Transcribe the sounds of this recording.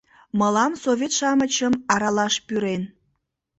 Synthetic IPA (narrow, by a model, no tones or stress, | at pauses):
məlɑmsovʲet̪ʃɑmət͡ɕəmɑɾɑlɑʃpyɾen